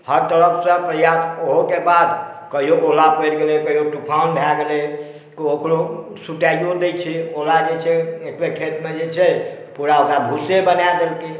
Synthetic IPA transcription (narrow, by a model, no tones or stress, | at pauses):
həɾt̪əɾəkʰsə̃pɾəjasoɦokebad̪ | kəɦijoʔolapeɾɡelekəɦijoʈupʰaunbʱjaɡele | kiokɾo | suʈajjod̪et͡ʃʰɛolad͡ʒet͡ʃʰɛekɾekʰet̪med͡ʒet͡ʃʰɛ | puɾaokɾabʱusebənajd̪elk̪i